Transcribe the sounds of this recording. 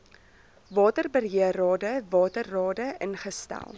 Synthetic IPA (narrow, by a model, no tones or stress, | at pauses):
vɑːtərbərɦiərɑːdəvɑːtərːɑːdəʔənχəstæ̰lˠ